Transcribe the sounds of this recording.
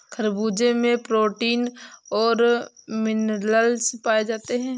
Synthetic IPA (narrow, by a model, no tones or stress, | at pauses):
kʰɐɾbuːd͡ʒemẽpɾoːʈiːnɔːɾmɪnɾɾəlspaːed͡ʒaːt̪eɦɛ̃ː